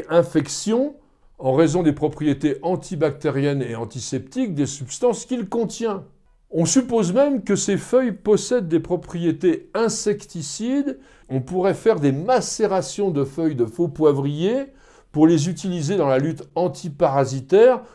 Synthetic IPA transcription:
ʔɛ̃fɛksjɔ̃ | ɑ̃ʁezɔ̃d̪epχɔpχijet̪eʔɑ̃t̪ʰibak̚t̪eʁjɛneɑ̃t̪isɛpt̪ik̚d̪esypst̪ɑ̃skʲilkɔ̃t̪jɛ̃ | ɔ̃sypozmɛmkəsefœjpɔsɛd̪ːepχɔpχijet̪eɛ̃sɛkt̪isid̪ | ɔ̃puʁɛfɛʁd̪emaseʁasjɔ̃d̪əfœjd̪əfopwavʁije | puʁlezyt̪ilized̪ɑ̃lalyt̪ɑ̃t̪ʰipaʁazit̪ɛːʁ

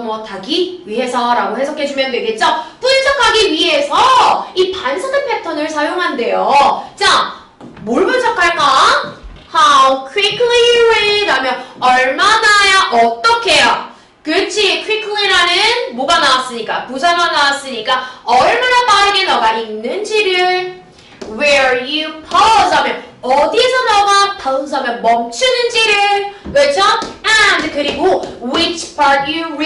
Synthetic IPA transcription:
mwʌtaɡiɥiɦe̞sʰʌɾaɡohe̞sʰʌkʰe̞d͡ʑumjʌndweɡet̚t͡ɕ͈ʌp͈unsʰʌkʰaɡiɥiɦe̞sʰʌipansʰʌdɯnpʰetʰʌnɯɭsʰajoŋɦande̞jot͡ɕa | moɭbɯnt͡ɕʰʌkʰaɭk͈a | hawkʰwikʰɯlienamjʌnʌɭmanajaʔʌt͈ʌkʰe̞jo | kɯt͡ɕʰikʰwikʰliɾanɯnmoɡanawas͈ɯɲik͈apusʰamanawas͈ɯɲik͈aʌɭmanapaɾɯɡenaɡainːɯnd͡ʑiɾɯɭ | wejɯpʰʌs̬ʰamjʌnʌdisʰʌnaɡatʌɯs̬ʰamjʌnmʌmt͡ɕʰunɯnd͡ʑiɾɯɭkɯʌt͡ɕʰoɛndkɯɾiɡowit͡ɕʰpʰaɾt̚ju

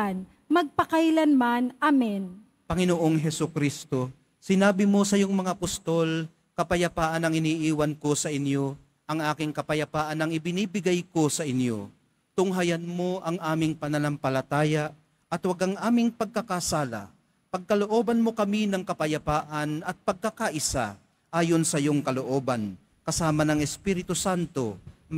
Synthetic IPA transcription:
n | mɐɡ̚pɐkajlɐnmanʔamɛn | pɐŋɪnoʔoŋɦɛsʊkɾist̪o̞ | sɪnaːbɪmo̞sɐjʊŋmɐŋapʊst̪o̞l | kɐpɐjɐpaːʔɐnɐŋɪniːʔiːwɐnko̞sɐʔɪnjo̞ | ʔɐŋʔaːkɪŋkɐpɐjɐpaːʔɐnɐŋɪbɪniːbɪɡajko̞sɐʔɪnjo̰ | t̪ʊŋɦajɐnmo̞ʔɐŋʔaːmɪŋpɐnɐnampɐlɐt̪aːja | ʔɐt̪wɐɡaŋʔaːmɪŋpɐɡ̚kɐkasaːla̰ | pɐɡ̚kɐloʔoːbɐnmokɐminɐŋkɐpɐjɐpaːʔɐnɐt̪̚pɐɡ̚kakaʔɪsa̰ | ʔaːjonsɐjoŋkɐloʔoːban | kɐsaːmɐnɐŋɛspiːɾɪt̪ʊsant̪o̞̰

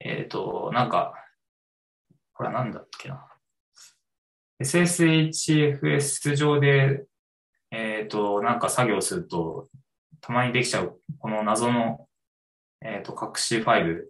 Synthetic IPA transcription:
ḛt̪o̞̰nãŋka̰ | ko̞ɾḛnãnd̪akʰʲːe̞na | e̞sɨe̞sɨet͡ɕieɸɯ̟e̞sɨʑo̞ːd̪e̞ | eːt̪o̞nãŋkasaɡʲo̞ːsɨɾɯ̟t̪o̞ | t̪ʰamaɲ̟id̪e̞kʲi̥t͡ɕaɯ̟ko̞no̞nazo̞no̞ | eːt̪ːo̞kakɯ̟̥ɕiɸaibɯ̟

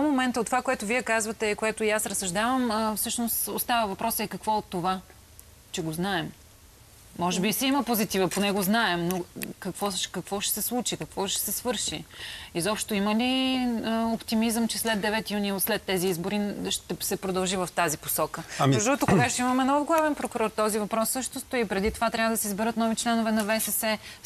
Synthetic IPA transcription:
momɛnt̪əot̪ːovakoɛt̪ʊviɛkazvət̪ɛikoɛt̪ʊjasɾəsɐʒd̪avəməfsɤʃnost̪ost̪avəvɐpɾʔɔsəɛkɐkvɔot̪ːova | t͡ʃɛɡoznaɛmː | ɔʒɛbisɛiməpozit̪ivəponɛɡoznaɛmnokɐkvɔʃkɐkvɔʃɛ̥sɛslˠut͡ʃikɐkvɔʃɛ̥sɛsvɤɾʃiizɔpʃt̪oiməli | opt̪imizəmt͡ʃɛslɛd̪d̪ːɛvɛt̪ijunislɛt̪ːɛziizboɾiʃt̪ɛsɛpɾod̪əlˠʒivɐft̪azipo̥sɔkəʒɔt̪ʊkoɡaʃt̪oimɐmɛnɔvɡlˠavɛnpɾokuɾɔɾt̪ɔzivɐpɾɔsːɤʃt̪ost̪oipɾɛd̪it̪ovat̪ɾʲavəd̪ɐsɛizbɛɾɤt̪nɔvit͡ʃlɛnovɛnɐvɛsɛsɛ

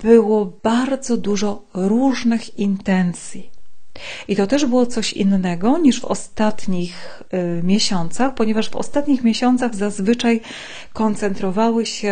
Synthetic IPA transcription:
b̥ɘwɔbaɾd̪zɔd̪uʐɔɾuʐnɘxint̪ɛnt̪sʲji | ʔit̪ɔt̪ɛʐbɘwɔt̪sɔɕḭnːɛɡɔɲiʐvɔ̰st̪at̪ɲix | mʲjeɕɔnt̪saxpɔɲɛvaʐvɔ̰st̪at̪ɲixmʲeɕɔnt̪saɣzazvɘt͡ʂaj | kɔnt̪sɛnt̪ɾɔvawɘɕɛ

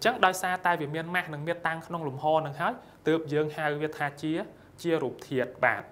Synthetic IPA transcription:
ɲt͡ɕəŋɗaɔjsaːt̪aɛʋiəmiənmahnɨŋmiət̪ːaŋkʰnoŋlumhɑːnɨŋɦaəj | t̪əːp̚jəːŋhawʋiət̪ʰaːt͡ɕiə | t͡ɕiəɾuːp̚t̪ʰiət̪̚ɓa̰ːt̪

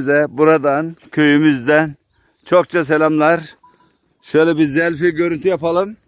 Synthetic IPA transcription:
zd̪ɛbuɾad̪ankʰø̞jymyzd̪æn | t͡ʃʰok̚t͡ʃʰas̬ɛlʲamlˠaɾ | ʃø̞jlʲɛbiɾzɛlʲfiɟø̞ɾynt̪ʰyjapalˠɯm

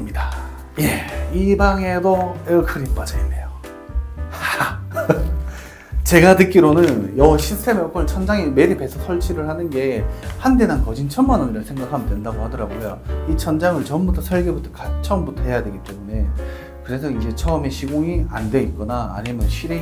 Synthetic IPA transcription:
mɲida | je̞ibaŋe̞doekʰɯɾip͈ad͡ʑaḭnːe̞jo | t͡ɕe̞ɡatɯk͈iɾonɯnjʌɕʰistʰe̞mʌk͈ʰʌɭt͡ɕʰʌnd͡ʑaŋeme̞ɾipe̞sʰʌsʰʌɭt͡ɕʰiɾɯɭhanɯnɡe̞hande̞nankʌd͡ʑint͡ɕʰʌnmanʌniɾɯɭsʰe̞ŋɡakʰamdwe̞ndaɡohadʌɾaɡojoit͡ɕʰʌnd͡ʑaŋɯɭt͡ɕʌmbutʰʌsʰʌɭɡebutʰʌkat͡ɕ͈ʰʌmbutʰʌɦe̞jadwe̞ɡit͈e̞mune̞ | kɯɾe̞sʰʌid͡ʑe̞t͡ɕʰʌːme̞ɕʰiɡoŋiandwe̞it̚k͈ʌna̰ːɲimjʌnɕʰɥiɾe

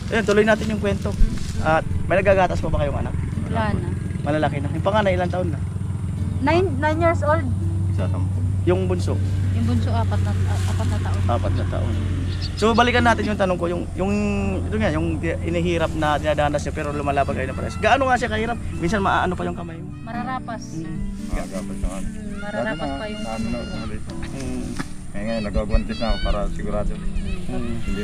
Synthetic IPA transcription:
ʔɐjont̪ʊlojnaːt̪ɪnjʊŋkwɛnt̪o̞ʔat̪̚mɐjnɐɡaɡaːt̪ɐspobɐkɐjoŋɐ̰nak̚ana | mɐlɐlakɪnajʊŋpɐŋaːnajɪlaŋt̪ɐʔonːa | najnajnjiɹsold̪̚sa̰sa̰mjʊŋbʊnso̰ʔjʊŋbʊnsoʔaːpat̪̚nɐʔaːpat̪̚nɐt̪aʔonʔaːpat̪̚nɐt̪a̰ʔo̰n | sobɐlɪkɐnːaːt̪ɪnjʊŋt̪ɐnoŋkojʊŋjʊŋɪt̪oŋajʊŋt̪ʔɪniɦiːɾɐp̚nɐd̪ɪnad̪aːnɐsɲapɛːɾolʊmalaːbɐnkɐjonɐŋpɾʔa̰sɡaʔanoŋasɪakɐhiːɾap̚minsɐnmɐʔaːʔɐnopɐjʊŋkɐmajmomɐɾaɾaːpas̩mɐɡa̰aɡaːpɐsnɐkanɪ | mɐɾaɾaːasɐjanonɐkomɐlit̪ː | kɐjaŋɐjonnɐɡaɡʊant̪ɪsnakopaːɾɐsɪɡuɾaːd̪o

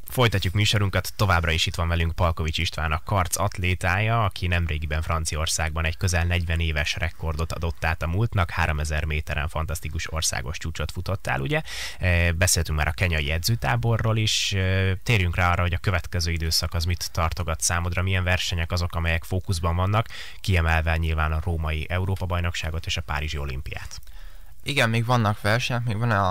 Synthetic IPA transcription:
fo̞jt̪ɒcːukmyːʃo̞ɾuŋkɒt̪ːo̞vaːbrɒeːʃit̪ʋɒɱvɛlyŋkpɒlko̞vit͡ʃiʃt̪ʋa̰ːnɒkːɒrt̪sɒt̪leːt̪aːjɒɒkʰinɛmreːɡibɛɱfrɒnt̪sijɒo̞rsaːɡ̚bɒnɛckø̞zɛlnɛɟvɛneːvɛʃrɛko̞rd̪o̞t̪ɒ̰d̪o̞t̪ːaːt̪ɒmult̪nɒkhaːɾo̞mɛzɛrmeːt̪ɛɾɛ̰ɱfɒnt̪ɒst̪ikuʃo̞̰rsa̰ːɡo̞ʃt͡ʃuːt͡ʃo̞t̪fut̪o̞t̪ːa̰ːluɟɛ | bɛseːlɛt̪yŋk̚ma̰ːɾɒkɛɲɒjiɛd̪zøːt̪aːbo̞rːoːliʃøt̪eːɾjyŋkraːɒrːɒɦo̞ɟɒkøvɛt̪kɛzøːid̪øːsɒkɒzmit̪ːɒrt̪o̞ɡɒt̪saːmod̪ɾɒmiɛɱvɛrʃɛɲɛkɒzo̞kɒmɛjɛkfoːkuzbɒɱvɒnːɒkː | iɛmɛlvɛɲilvaːnɒroːmɒjiʔɛuɾoːpɒbɒjno̞kʃaːɡo̞t̪eːʃɒpa̰ːɾiʒio̞lḭmpija̰ːt̪ | iɡɛmmeːɡʋɒnːɒkʋɛrʃɛɲɛkmeːɡvɒn

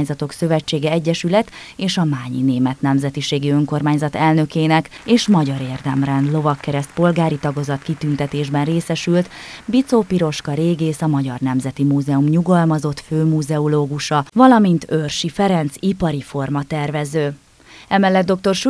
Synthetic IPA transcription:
ɲzɒt̪o̞ksø̞vɛt͡ʃːeːɡɛɛɟːɛʃylɛt̪ | eːʃɒmaːɲḭneːmɛt̪nɛmzɛt̪iʃeːɡiø̞ŋko̞rmaːɲzɒt̪ɛlnø̞keːnɛkeːʃmɒɟɒɾeːrd̪ɛmrɛnd̪lo̞vɒkːɛɾɛst̪̚po̞lɡaːɾit̪ɒɡozɒt̪kit̪ynt̪ɛt̪eːʒbɛnreːsɛʃylt̪bit̪soːpiɾo̞ʃkɒɾeːɡeːsɒmɒɟɒ̰rnɛmzɛt̪imuːzɛumɲuɡɒlmɒzo̞t̪føːmuːzɛoloːɡuʃɒvɒlɒmint̪ørʃifɛɾɛnt̪sipɒɾifo̞rmɒt̪ɛrvɛzøː | ɛmɛlːɛd̪d̪o̞k̚t̪o̞rʃ

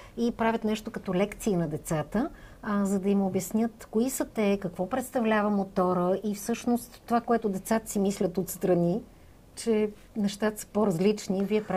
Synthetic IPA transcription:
ipɾavʲət̪nɛʃt̪okɐt̪ɔlɛkt̪siːnɐd̪ɛt̪sat̪əzɐd̪ɐimobjɐsnʲjɤt̪koisət̪ɛkɐkvɔpɾɛt̪st̪ɐvlʲavəmot̪ɔɾəʔifsɤʃnost̪ːovakoɛt̪ʊd̪ɛt̪sat̪ə̥simislʲət̪ot̪st̪ɾɐni | t͡ʃɛ | nɛʃt̪at̪ə̥sə̥poɾɐzlit͡ʃniviɛpɾa

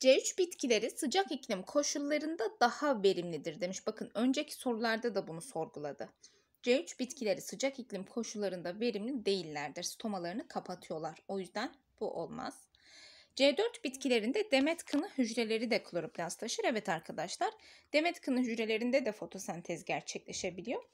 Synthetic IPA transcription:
d͡ʒeyt͡ʃbit̪cʰilʲe̞ɾisɯd͡ʒakiclʲimkʰo̞ʃulˠːaɾɯnd̪ad̪ahave̞ɾimlʲid̪iɾd̪e̞miʃbakʰɯnø̞nd͡ʒecʰi̥so̞ɾulˠaɾd̪ad̪abunuso̞ɾɡulˠad̪ɯ | d͡ʒeyt͡ʃbit̪cʰilʲe̞ɾisɯd͡ʒakiclʲimkʰo̞ʃulˠːaɾɯnd̪ave̞ɾimlʲid̪e̞jilʲːæɾd̪iɾ̥st̪ʰo̞malˠaɾɯnɯkʰapʰat̪ʰɯjo̞lˠaɾo̞jyzd̪æn | b̥uʔo̞̰lˠma̰z̥ | d͡ʒeːd̪øɾt̪bit̪cʰilʲe̞ɾind̪ɛd̪e̞mɛt̪kʰɯnɯhyd͡ʒɾe̞lʲe̞ɾid̪ɛkʰɯlˠoɾupʰlʲast̪ʰaʃɯɾɛvɛt̪ʰaɾkʰad̪aʃlˠaɾd̪̥e̞mɛt̪kʰɯnɯɦyd͡ʒɾe̞lʲe̞ɾind̪ɛd̪ɛfo̞t̪ʰo̞sænt̪ʰɛzɟæɾt͡ʃʰɛclʲe̞ʃe̞bilʲijo̞

